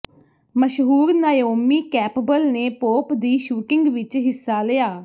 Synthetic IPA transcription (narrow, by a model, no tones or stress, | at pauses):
məʃɦuːɾnaːjoːmiːkɛːpbəlneːpoːpd̪iːʃuːkɪŋɡʋɪt͡ʃɦɪsːaːlejaː